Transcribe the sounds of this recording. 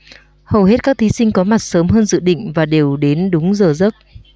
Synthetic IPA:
hə˨˩wɦe˦˥t̚kaː˦˥k̚t̪ʰi˨˦sï˧ŋ̟kɔ˨˦ma˨˩t̚səː˨˦mɦəː˧nzɨ̰˧˨ɗḭ̈˧˨ŋ̟vaː˨˩ɗe˨˩wɗe˨˦nɗʊ˨˦ŋ͡mzəː˨˩zə˦˥k̚

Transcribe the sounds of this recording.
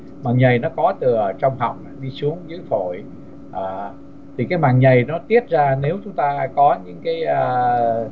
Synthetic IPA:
maː˨˩ŋɲə˨˩jnɔ˨˦kɔ˨˦t̪ɨ˨˩ət͡ɕɔ˧wŋ͡mɦa̰˨˩wŋ͡ma˧˩ɗi˧su˨˦əŋzɨ̰˧˥˦jfo̰˧˩˨j | ʔaː˨˩ | t̪ʰi˨˩kaː˨˦jmaː˨˩ŋɲə˨˩jnɔ˨˦t̪i˦˥ət̚zaː˧ne˨˦wt͡ɕʊ˨˦ŋ͡mt̪aː˧kɔ˨˦ɲɨ̰˧˥ŋkaː˨˦jʔəː˧˩

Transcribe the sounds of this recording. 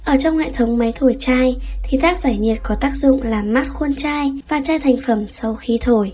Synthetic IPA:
ʔəː˧˩t͡ɕɔ˧wŋ͡mhḛ˧˨t̪ʰə˨˦wŋ͡mma˨˦jt̪ʰo˧˩jt͡ɕaː˧jt̪ʰi˨˧˦t̪ʰaː˦˥k̚zaː˧˩jɲi˨˩ət̚kɔ˨˦t̪aː˦˥k̚zʊ̰˧˨ŋ͡mlaː˨˩mmːaː˦˥t̚xo˧nt͡ɕaː˧jvaː˨˩t͡ɕaː˧jt̪ʰɛ˨˩jŋ̟fə˧˩msa˧wxi˨˦t̪ʰo˧˩j

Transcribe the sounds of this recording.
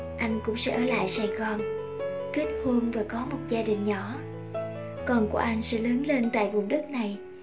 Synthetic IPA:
ʔa˧jŋ̟kʊ̰˧˥ŋ͡msɛ̰˧˥ʔəː˧˩la̰ː˧˨jsaː˨˩jɣɔ˨˩n | ki˦˥t̚hu˧əŋvaː˨˩kɔ˨˦mo˨˩t̚zaː˧ɗï˨˩ŋ̟ɲɔ˧˩ | kɔ˨˩nku˧˩əʔa˧jŋ̟sɛ̰˧˥ləː˨˦nle˧nt̪a̰ː˧˨jvʊ˨˩ŋ͡mɗɨ˦˥k̚na˨˩j

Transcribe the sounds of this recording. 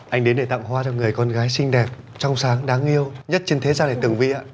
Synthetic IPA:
ʔa˧jŋ̟ɗe˨˦nɗe˧˩t̪a̰ː˧˨ŋ͡mɦwaː˧zɔ˧ŋɨ˨˩əjkɔ˧nɣaː˨˦jsï˧ŋ̟ɗɛ˨˩p̚ | t͡ɕɔ˧wŋ͡msaː˨˦ŋɗaː˨˦ŋʔi˧əwɲə˦˥t̚t͡ɕe˧nt̪ʰe˨˦zaː˧nɗa˨˧˩t̪ɨ˨˩ŋvi˧ʔaː˧˦

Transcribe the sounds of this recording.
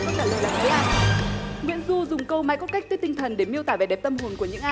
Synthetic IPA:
ɔ˨˦˥t͡ɕaː˨˩lə˧˩la̰ː˧˨˩ŋvəː˨˦jʔaː˧j | ŋwḭ˧˨ənzu˧zʊ˨˩ŋ͡mkə˧wmaː˨˦jkɔ˦˥t̚ka˦˥k̪̚əː˨˦t̪i˧ŋ̟t̪ʰə˨˩nɗe˧˩mi˧əwt̪aː˧˩ve˨˩ɗɛ˨˩p̚t̪ə˧mɦo˨˩nku˧˩əɲɨ̰˧˥ŋʔaː˧

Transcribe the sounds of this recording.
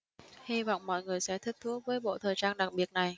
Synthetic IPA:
hi˧vɔ̰˧˨wŋ͡mmɔ̰˧˨jŋɨ˨˩əjsɛ̰˧˥t̪ʰi˦˥t̚t̪ʰu˨˦˥əvəː˨˦jɓo̰˧˨t̪ʰəː˨˩jt͡ɕaː˧nɗa˨˩k̚ɓi˨˩ət̚na˨˩j

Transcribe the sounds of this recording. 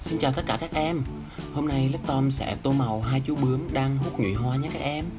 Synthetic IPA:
si˧nt͡ɕaː˨˩wt̪ə˦˥t̚kaː˧˩kaː˦˥k̚ʔɛ˧m | ho˧mna˧jlə˦˥k̚t̪ɔ˧msɛ̰˧˩t̪o˧ma˨˩wɦaː˧jt͡ɕu˨˦˥ɓɨ˨˦əŋɗaː˧ŋɦu˦˥t̚ŋḭ˧˨jɦwaː˧ɲa˨˧˥kaː˦˥k̚ʔɛ˧m

